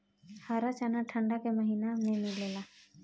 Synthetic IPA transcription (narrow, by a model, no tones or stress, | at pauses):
haːɾat͡ʃaːnaʈʰə̃ɳɖakeməɦiːnamẽmɪleːlaː